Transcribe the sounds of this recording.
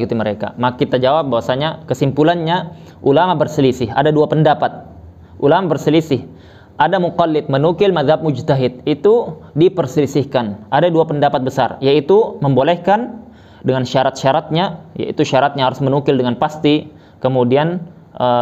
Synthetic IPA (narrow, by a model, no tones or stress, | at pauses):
kut̪iməɾeka̰makit̪ad͡ʒawap̚bawasaɲakəsimpulanɲa | ʔulamabərsəlisɪɦa̰daduapəndapat̪̚ | ʔulamabərsəlisɪh | ʔadamuqalːɪt̪̚mənukɪlmaðhab̚mud͡ʒt̪aɦɪt̪̚it̪udipərsəlisɪhkanʔadaduapəndapat̪̚bəsa̰rjait̪uməmbolɛhkan | dəŋanʃaɾat̪̚ʃaɾat̪̚ɲaja̰ḭt̪uʃaɾat̪̚ɲaɦaɾʊsmənukɪldəŋanpast̪i | kəmudian | ʔə